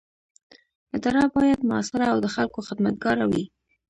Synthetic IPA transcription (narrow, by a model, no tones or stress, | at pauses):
ɪd̪ɑɾɑbɑjad̪mʊɑ̰sɪɾaːwd̪əxalkoxɪd̪mat̪̚ɡɑɾawi